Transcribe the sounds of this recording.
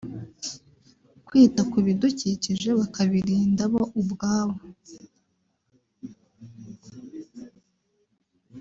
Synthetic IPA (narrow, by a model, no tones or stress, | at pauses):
kwiːtakuβiduciːciʒe̞βakaβiɾiːndaβoʔubɡaːβo